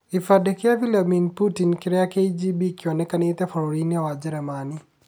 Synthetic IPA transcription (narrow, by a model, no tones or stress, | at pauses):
ifadɛkɪavilaminputinkɪɾɛakejd͡ʒibikjɔnɛkanɪt̪ɛfɔɾoɾiniawad͡ʒɪɾɛmanɪ